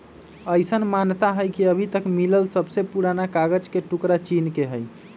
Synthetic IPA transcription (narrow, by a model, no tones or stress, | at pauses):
əjsənmant̪aɦəjkiəbʱit̪əkmiləlsəbʱsepuɾanakaɡəd͡ʒkeʈukɾat͡ʃinkeɦəj